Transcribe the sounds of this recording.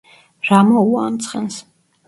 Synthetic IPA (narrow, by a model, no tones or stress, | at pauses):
ɾamɔuaːmt̪sʰχɛns